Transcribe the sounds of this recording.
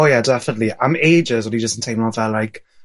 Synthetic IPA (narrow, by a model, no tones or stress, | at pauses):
ojadɛfənətˡliãmeɪd͡ʒəzwə̃nid͡ʒəstɪ̃ntʰãɪmɔ̃vɛlːaɪk